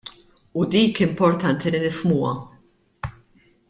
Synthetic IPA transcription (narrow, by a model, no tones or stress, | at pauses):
ud̪iːkɪmpɔɾt̪ɐnt̪ilɪnɪfmuːɐ̰